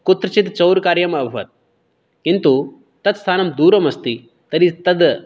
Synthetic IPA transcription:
kut̪ɾɐt͡ʃit̪t͡sɐwɾkaːɾjɐmɐbʱɐʋɐ̰t̪̚ | kint̪u | t̪ɐt̪st̪ʰaːnɐmd̪uːɾɐmɐst̪i | t̪ɐɾit̪ɐd̪

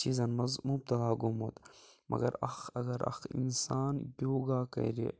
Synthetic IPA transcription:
t͡ʃʰizɐnmɐzmub̚t̪ɐlaːɡumot̪mʔɐ̰ɡɐɾɐ̰xɐɡɐɾɐ̰xḭnsaːnboːɡaːkɐ̰ɾḭ

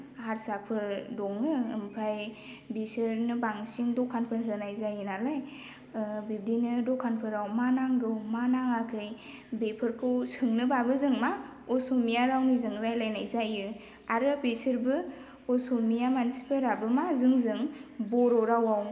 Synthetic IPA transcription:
haɾsapʰɯɾdɔŋɯːmpʰaj | bisɯɾnɯbaŋsiŋdɔkʰːanpʰɯɾɦɯnajzajɯnalaj | bib̚dinɯdɔkʰanpʰɯɾawmanaŋdɔwmanaŋakʰɯj | bepʰɯɾkʰɯwsɯŋnɯbabɯzɯŋma | ɔsomijaɾawnizɯŋɾajlajnajzajɯ | aɾɯpesɯɾbɯ | ɔsomijamansi̥pʰɯɾabɯmazɯŋzɯŋbɔɾɔɾawaw

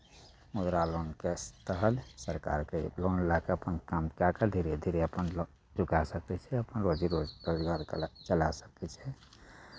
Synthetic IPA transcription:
mʊd̪ɾaloːnkest̪əɦəlsəɾka̰ːɾkeloːnlakeəpənkamkakad̪ʱiɾed̪ʱiɾeəpən | d͡ʒʊkasəkɛt͡ʃʰɛəpənɾoːd͡ʒiɾod͡ʒpəɾiwaɾt͡ʃəlasə̥kɛt͡ʃʰɛ

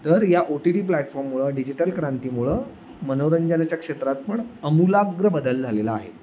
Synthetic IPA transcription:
t̪əɾjaʔoʈiɖiːplæʈfɔɾmːuɭəɖid͡ʑiʈəlkɾãnt̪iːmuɭə | mənoʋɾəɲd͡ʑənat͡ɕjakʂet̪ɾat̪̚pəɳəmulaɡɾəbəd̪əld͡zʱalelaːɦḛ

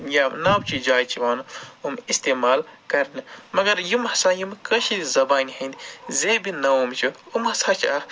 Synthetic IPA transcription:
janaːbt͡ʃʰid͡ʒaːjt͡ʃʰiʋaːnɨumist̪eːmaːlkɐɾnɨmɐɡɐɾjumhɐsãːjumkɐʃid̪izɐbaːniɦɐnd̪izeːbinɐumt͡ʃʰuumɦɐsaːt͡ʃʰia

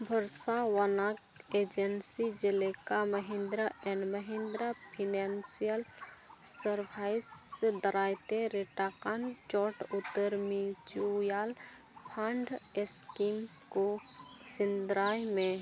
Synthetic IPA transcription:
bʱəɾsawanaːk | eːd͡ʒənsid͡ʒɪlekaməɦɪ̃nd̪ɾəɛ̃ɳməɦɪ̃nd̪ɾapʰinansijəlsəɾpʰaːɪsed̪əɾaːjt̪eɾeʈakant͡ʃɔːʈʊt̪ːəɾmit͡ʃujaːl | pʰãɳɖeskiːm | ko | sɪnd̪ɾaːjmẽ

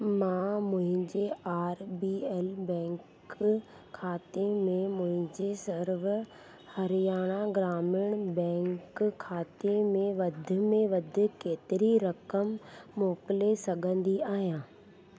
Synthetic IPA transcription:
mãːmʊ̃ɦɪ̃ɲd͡ʑeaːɾbiɛːlbɛ̃ːŋkʰː | aːt̪emẽmʊ̃ɦɪ̃ɲd͡ʑesɐɾʋ | hɐɾɪjaːɽ̃aɡɾaːmɪɽ̃bɛ̃ːŋkkʰːaːt̪emẽʋɐd̪ʱɪ̆mẽʋɐd̪ʱɪ̆keːt̪ɪɾiɾɐkəmːoːkɪlesɐɡʱə̃nd̪iaːɦijãː

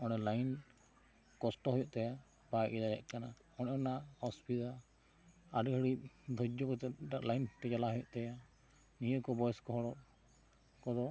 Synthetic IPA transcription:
ɔnɛlajn | kɔsʈɔɦɔjɔʔt̪aja | bajʔid̪ajɛ̰ʔkana | ɔnɛɔnaɔspit̪a | aɖɡʱəɽid̪ʱɔd͡ʒɔkɔt̪ɛɖaʔlajnʈɛd͡ʒalaɦɔjɔʔt̪aja | nijəʔkɔbɔjɛskɔɦɔɽɔʔ | kɔd̪ɔ

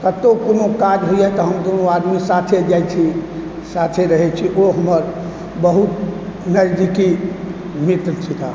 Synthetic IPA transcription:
kət̪okonokad͡ʒɦojat̪ɔɦəmd̪onoad̪misat̪ʰed͡ʒajt͡ʃʰi | sat̪ʰeɾəɦɛt͡ʃʰiʔoɦəməɾ | bəɦut̪nəɾd͡ʒ̪iki | mit̪nt͡ʃʰit̪a

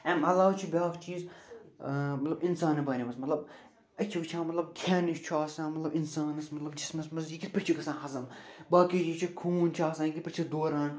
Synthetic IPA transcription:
ɛ̃ːmɦɐlaːt͡ʃʰibʲaːkt͡ʃiːz | mɐt̪lɐbinsaːnibɐːniʋɐsmɐt̪lɐb | ɐt͡ʃʰiʋt͡ʃʰãːmɐt̪lɐb̚kʰɛːniʃt͡ʃʰuaːsãːmɐt̪lɐbinsaːnɐsmɐt̪lɐbd͡ʒismɐsmɐzjikit̪pɐɾt͡ʃʰikɐsãːnɦɐzɐm | baːkit͡ʃit͡ʃʰikʰuːnt͡ʃʰaːsaːnjikit̪pɐɾt͡ʃʰid̪oːɾãːn

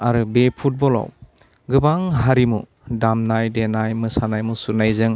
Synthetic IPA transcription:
aɾɯbepʰut̚bɔla̰w | ɡɯbaŋɦaɾimu | damnajdenajmɯsanajmusunajzɯŋ

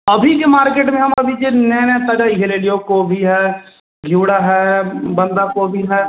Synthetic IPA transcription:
ɐbʱikemaːɾkeːʈmẽɦɐmɐbʱid͡ʒenɛːnɛsaːɖaɪɦeɾeːɖijokobʱiɦɛː | ɡʱuːɽaɦɛːbə̃nd̪akoːbʱiɦɛː

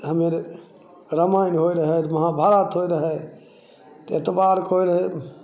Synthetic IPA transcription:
ɦəmeɾ | ɾəmaːɪnɦoːiɾəɦɛmɐɦabʱaːɾaːt̪ɦoːiɾəɦɛ | t̪et̪əbaːɾkʰoːiɾəɦe

